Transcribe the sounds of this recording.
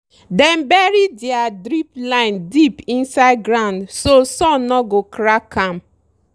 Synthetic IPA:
dɛ̃mbɛɹidɛadɾiplãɪ̃ndipĩnsaɪd̚ɡɾãʊ̃ndsosɔ̃nnɔɡokɾakʰãm

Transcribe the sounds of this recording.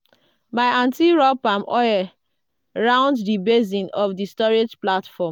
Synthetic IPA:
baɪãntiɹɔpãmɔɛ | ɹãʊ̃nddibezĩnɔfdistɔɹed͡ʒplatfɔm

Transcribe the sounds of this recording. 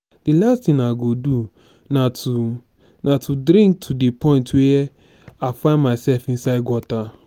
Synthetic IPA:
d̥ilastĩnaɡodu | natu | natʰudɾĩŋk̚tʰudepʰɔ̃ɪ̃ntwe | afãɪ̃nmasɛlfĩnsaɪd̚ɡwɔta

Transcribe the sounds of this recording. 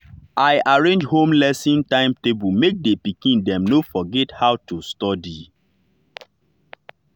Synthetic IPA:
aɪʔaɹẽnd͡ʒhõmlɛsĩntãɪ̃mtebumek̚depikĩndɛ̃mnofɔɡɛthaʊtustɔdi

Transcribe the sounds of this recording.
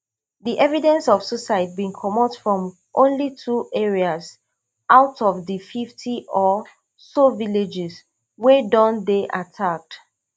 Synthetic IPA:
ðiʔɛvidɛ̃nsɔv̥susaɪt̚bĩnkʰɔmɔtfɹɔ̃m | ʔõnlitʰuʔɛɹiaz | ʔaʊtɔvðififtʰiʔɔ | soviled͡ʒɪz | wɛdɔ̃ndeʔatʰak̚t

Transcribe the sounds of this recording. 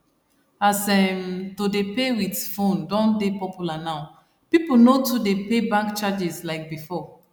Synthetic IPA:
asɛmtodepewitfõndɔ̃ndepɔpjulanaʊ | pipl̩notudepebãŋkt͡ʃad͡ʒɛslaɪk̚bifɔ

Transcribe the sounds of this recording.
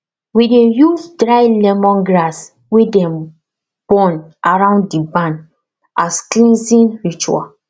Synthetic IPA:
widejufdɹajlɛmɔ̃nɡɹas | wedɛ̃m | b̥ɔ̃nʔaɹãʊ̃ndibãn | asklĩnsĩnɹit͡ʃua̰

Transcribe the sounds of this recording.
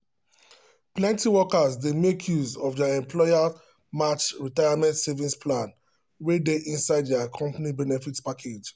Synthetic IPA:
plɛ̃ntiwɔkazdemekʰjuzɔvdaɛ̃mpʰlɔa | mat͡ʃɹitajamɛ̃ntsɛvĩspʰlãn | wedeʔĩnsaɪddaakʰɔ̃mpanibɛnɛfitpakʰed͡ʒ

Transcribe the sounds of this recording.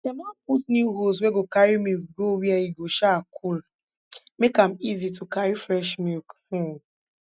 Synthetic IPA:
tɛmapusnjuɦos̬weɡokaɾimikɡowjaiɡoʃakʰul | mekam̩izitukaɾifɾɛʃmik̩

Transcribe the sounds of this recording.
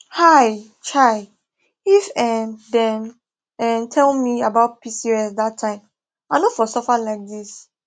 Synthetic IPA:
haɪ | t͡ʃʰaɪ | ifɛmdɛ̃n | ɛmtʰɛlmiabaʊt̚pʰisiɛsdatʰːãɪ̃m | aɪnofɔsɔfalaɪk̚dis

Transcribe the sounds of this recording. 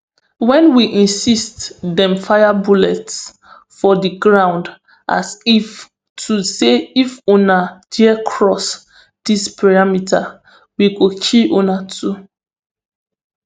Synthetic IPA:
wɛ̃nwiʔĩnsistdɛ̃mfajabulɛts | fɔdiɡɹãw̃nd | ʔa̰sif | tʰuseifonad̥iɛkʰɹɔs | dispʰaɹamitʰa | wiɡot͡ʃiʔonatʰu

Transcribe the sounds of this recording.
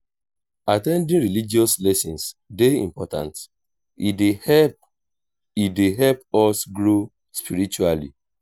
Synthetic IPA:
atɛ̃ndĩnɹilid͡ʒiɔslɛsĩnsdeḭ̃mpɔtã̰nt | eɛ | ideɦɛlpɔsɡɹo | spiɾit͡ʃualḭ

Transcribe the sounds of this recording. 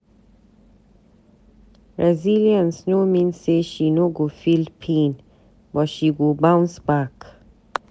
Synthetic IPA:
ɹɛziliə̃nsnomĩnseʃinoɡofilpʰẽn | bɔtʃiɡobãw̃nsbak

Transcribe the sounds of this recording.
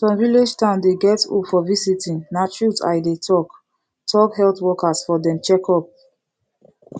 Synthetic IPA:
sɔ̃nvilid͡ʒtãʊ̃ndeɡɛtṵfɔvisitĩnnat͡ʃɹuta̰jdetʰɔk | tʰɔkhɛltwɔkasfɔdɛ̃mt͡ʃɛkɔp̚

